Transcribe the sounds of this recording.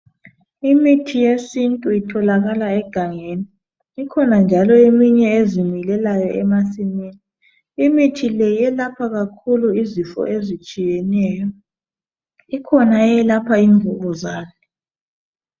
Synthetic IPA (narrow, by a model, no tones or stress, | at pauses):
imitʰijesintʼuitʰɔlaɣalaɛɡ̥ʱaŋeniː | kʰɔnand͡ʒʱalɔemiɲɛezimilɛlajɔʔɛmasimeniː | mitʰilɛjɛlapʰaɣakʰuluizifɔ̰ezit͡ʃʼijɛnɛːjɔ | ikʰɔnaɛlapʰaiɱvuɣuzaːnɛ